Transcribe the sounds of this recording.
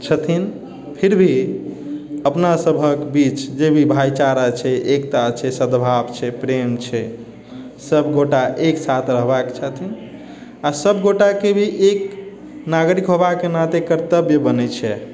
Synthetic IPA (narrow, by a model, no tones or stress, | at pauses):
t͡ʃʰət̪ʰin | pʰiɾbʱi | əpnasəbʱəkbit͡ʃd͡ʒebʱibʱajt͡ʃaɾat͡ʃʰɛʔekt̪at͡ʃʰɛsəd̪bʱabt͡ʃʰɛpɾemt͡ʃʰɛ | səbɡoʈaʔeksat̪ɾəɦbakt͡ʃʰət̪ʰin | asəbɡoʈakebʱiʔek | naɡɾikɦobakːenat̪ekəɾt̪əbjəbənɛt͡ʃʰɛ